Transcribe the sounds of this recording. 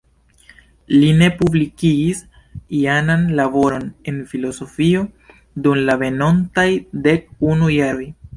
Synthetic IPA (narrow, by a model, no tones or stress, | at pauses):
line̞publikiːs | iananlabo̞ɾo̞ne̞nfilo̞so̞fio̞ | dumlave̞no̞ntajde̞k̚unujaɾo̞j